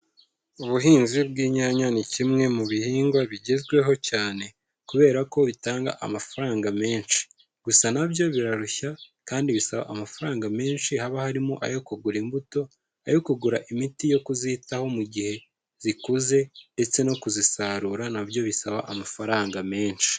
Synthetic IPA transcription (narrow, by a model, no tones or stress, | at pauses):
uβuɦiːnzibɡiːɲaɲanicimŋe̞muβihiːŋɡwaβiɟezɡwe̞ɦo̞caːne̞ | kuβe̞ːɾako̞βitaːŋɡa̰ʔa̰mafaɾaːŋɡame̞ːnʃi̥ | ɡ̥usanabjo̞βiɾaɾuçakaːndiβisaβa̰ʔamafaɾaːŋɡame̞ːnʃihaβahaɾimuʔa̰jo̞kuɡuɾimbuto̞ | a̰jo̞kuɡuɾaʔimitijo̞kuzitaho̞muɟihe̞ | zikuze̞nde̞t͡se̞no̞kuzisaɾuɾanabjo̞βisaβa̰ʔamafaɾaːŋɡame̞ːnʃi̥